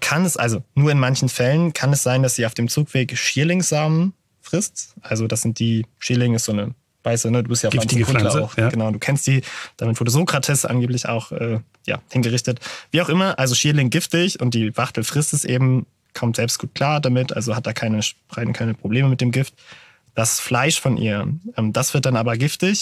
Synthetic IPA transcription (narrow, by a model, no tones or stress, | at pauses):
kʰanɛsʔa̰lzonuːɐɪnmançn̩fɛlənkʰanɛsz̥aɪndasd̥iːaʊfd̥eːmt͡suːkv̥eːkʃiːɐlɪŋz̥aːmən | fʁ̥ɪstʔalzodasz̥ɪnt̚d̥iːʃiːɐlɪŋɪstz̥oːnə | v̥aɪsd̥uːnəduːbɪstjaʊfankʰʊlaaʊxɡ̥ənaʊduːkʰɛnstz̥iːd̥aːmɪtv̥ʊɐdəzoːkʁ̥atʰɛsəʔa̰nɡeːp̬lɪça̰ʊxʔɛː | ja̰ːhɪnɡəʁɪçtətv̥iːaʊxʔɪmɐʔalzoʃiːɐlɪŋɡɪftɪçʊnt̚d̥iːvaʁtl̩fʁ̥ɪstɪstʔeːbm̩ | kʰɔmtz̥ɛlpstɡ̥uːt̚kʰl̥aːɐdamɪtʔa̰lzohat̚d̥aːkʰaɪnəʃ | ʁ̥aɪnkʰaɪnəpʁ̥obleːməmɪtd̥eːmɡɪft | d̥asflaɪʃfɔnʔḭːɐʔɛːmd̥asv̥ɪɐtd̥anʔaːbɐɡɪftɪç